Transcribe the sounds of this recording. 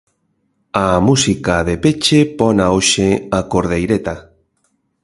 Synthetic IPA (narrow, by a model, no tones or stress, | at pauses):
amusikaðepet͡ʃepɔnaoʃeakoɾðejɾet̪a